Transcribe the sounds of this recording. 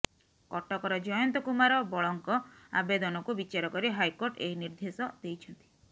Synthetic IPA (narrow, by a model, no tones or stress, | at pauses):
kɔʈɔkɔɾɔd͡ʒɔjɔnt̪ɔkumaɾɔbɔɭɔŋkɔa̰bed̪ɔnɔkubit͡ʃaɾɔkɔɾiɦajkoɾʈeiniɾd̪ʱesɔd̪̥ejt͡ʃʰɔnt̪i̥